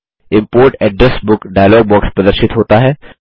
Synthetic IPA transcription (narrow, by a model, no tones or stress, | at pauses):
ɪ̃mpoːɾʈɛːɖɾɛsbʊkɖaːjlɔːɡ̚bɔːkspɾɐd̪əɾʃɪt̪ɦoːt̪aɦɛː